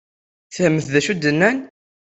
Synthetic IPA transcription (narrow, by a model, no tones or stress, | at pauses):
θəhəmːəθðæʃud̪ənːæn